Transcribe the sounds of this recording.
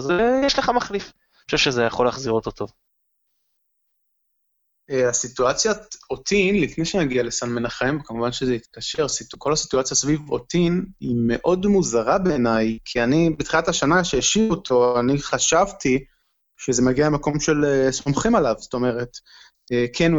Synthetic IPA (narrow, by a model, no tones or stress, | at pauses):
zejɛʃleχamaχlif | ʃuvʃezejaχolaːχziʁot̪ot̪ʰov | easituat͡sjaot̪ʰinlifnejʃenaɡiale̞sanme̞naχemkamuvanʃezeit̪kaʃe̞ʁsitkʰo̞lasi̥tuat͡sjasvivo̰tinime̞ʔo̞dmuzaʁabe̞ːnajkʰianibet̪χilataʃanaʃejaʃivo̞tʰo̞aniχaʃavti | ʃezemaɡialemako̞mʃe̞lesomχimalavst̪o̞me̞ʁe̞t | ekʰen